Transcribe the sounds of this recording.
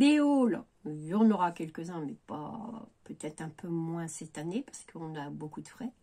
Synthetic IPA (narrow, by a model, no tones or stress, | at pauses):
beol | vyʁnəʁakʲɛlkəzɛ̃mɛpa̰pøt̪ɛt̪χɛ̃pʰømwɛ̃sɛt̪anepḁʁsə̥kʰəɔ̃nabokud̪əfχɛ